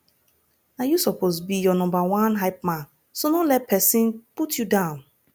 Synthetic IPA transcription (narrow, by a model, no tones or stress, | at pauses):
ajusɔpʰosbijɔnɔ̃mbawãnɦaɪp̚mãn | sonõlɛt̚pʰɛsĩnputʰjudãʊ̃n